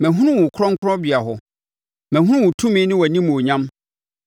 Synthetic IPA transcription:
mɛ̃˨ɦũ˦nʊ̃˦wʊ̃˨kʰʊ˦ɾɔ̃˦ŋ̩˦kʰʊ˦ɾɔ̃˦bi˨a˨ɦɔ˨ | mɛ̃˨hu˦ʊ̃˦wʊ̃˨tʰũ˦mĩ˦nɪ̃˦wa˨nĩ˦m̃˨o˨ɲã˦m

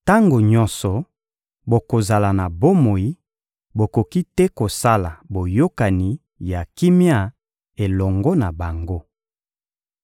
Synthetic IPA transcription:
ta˦ŋɡo˨ɲɔ̃˦nsɔ˨ | bo˨ko˨za˨la˨na˨bo˦mo˨i˦ | bo˨ko˨ki˦tɛ˦ko˨sa˦la˨bo˨jo˦ka˨ni˨ | ja˨ki˦mja˦˨ | e˨lɔ˨ŋɡɔ˦na˨ba˨ŋɡo˦

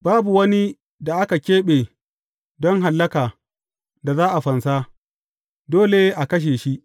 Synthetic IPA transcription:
baː˦bu˨wɐ˦ni˦ | da˨ʔa˦ka˨kʲeː˦ɓeː˨ | dɔ˦ŋɦa˨lːɐ˦kaː˨ | da˨zaː˦ʔa˨ɸɐ˨nsa˦ | doː˦le˨ʔa˨kɐ˦ʃ̬eː˨ʃi˦ʔ

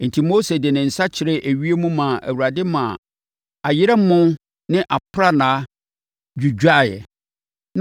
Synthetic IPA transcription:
n̩˨tʰi˨mo˦se˨dɪ˨nɪ̃˨n̩˨sa˦t͡ɕʰɪ˨ɾɛ˦ʔæ˨ɥi˦e˦mũ˦mã˨æ̰˨wu˨ɾa˨dɪ˦mã̰˨ | a˨jɪ˦ɾɛ˦mʊ̃˦ | nɪ̃˦ʔa˨pʰɾa˦nã˨˦ | d͡ʑᶣu˨d͡ʑᶣa˦˨jɛ̰˨

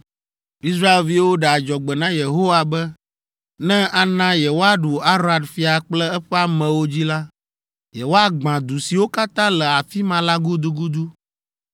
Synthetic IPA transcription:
i˦sɾa˦e˨lvi˦wo˦ɖɛ˨a˨d͡ʒɔ˨ɡ͡bɛ˨nã˦je˨ɦo˦wa˨bɛ˦ | nɛ̃˦ʔa˨nã˦jɛ˨wo˦a˨ɖu˨a˦ɾo˦a˨dfi˦a˨k͡plɛ˦ɛ˦ɸɛ˦a˨mɛ̃˨wo˦d͡ʑi˦la˦ | jɛ˨wo˦a˦ɡ͡bã˨d̪u˨si˨wo˦ka˦t̪ã˦lɛ˨a˨fi˦mã˦la˦ɡu˦d̪u˦ɡu˦d̪u˦

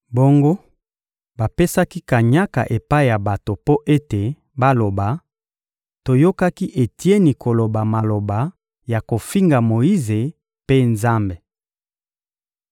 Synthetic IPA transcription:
bo˦ŋɡo˦ | ba˨pe˦sa˦ki˦ka˨ɲa˦ka̰˨ʔe˨pa˦i˦˨ja˨ba˨to˨po˦ʔe˦te˨ | ba˦lo˨ba˨ | to˨jo˦ka˦ki˦ʔe˨ti˦e˦ni˨ko˨lo˨ba˨ma˨lo˨ba˨ | ja˨ko˨fi˦ŋɡa˨mo˨ji˦ze˨ | pe˦nza˦mbe˨

